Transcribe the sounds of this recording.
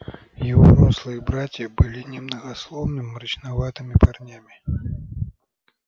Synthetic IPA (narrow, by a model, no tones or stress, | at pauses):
jɪvomuslˠɨjɨbɾatʲjəbɨlʲinʲɪmnəɣɐslˠovnɨmːɾɨt͡ɕnɐvat̪ɨmʲɪparnʲamʲɪ